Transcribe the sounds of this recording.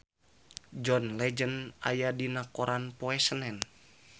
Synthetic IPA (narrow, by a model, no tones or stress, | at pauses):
d͡ʒɔnlɛd͡ʒəna̰jadinakoɾanpoɛsənɛn